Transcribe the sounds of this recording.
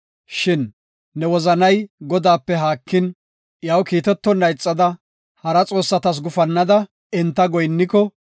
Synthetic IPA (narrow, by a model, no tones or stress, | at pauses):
ʃɪnː | ɛwɔzɐnɐjɡɔd̪aːpːɛɦaːkːɪn | jaːwkiːt̪ɛt̪ːɔnːɐjt͡sʼːɐd̪ɐ | hɐɾɐt͡sʼo̞ːsːɐt̪ɐs̬ɡʊfɐnːɐd̪ɐ | ɛnt̪ːɐɡɔjnːɪkɔ